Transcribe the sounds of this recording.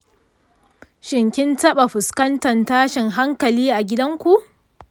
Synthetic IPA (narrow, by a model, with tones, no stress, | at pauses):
ʃɪ˨ŋkʲɪ˦ntɐ˦ɓa˨ɸʊ˨skɐ˦ntɐ˨ntaː˦ʃɪ˨ŋɦa˦ŋkɐ˨liː˦ʔa˨ɡʲɪ˦dɐ˦ŋkʷu˨ʔ